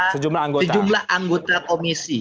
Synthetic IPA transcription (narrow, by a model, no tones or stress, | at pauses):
səd͡ʒumlahaŋɡosəad͡ʒumlahʔaŋɡot̪akomisi